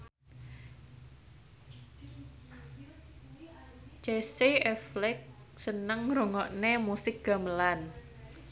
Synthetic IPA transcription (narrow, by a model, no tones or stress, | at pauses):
t͡ʃeseɛflɪk̚ | sənəŋɾoŋɔʔnemusɪk̚ɡ̥a̤məlan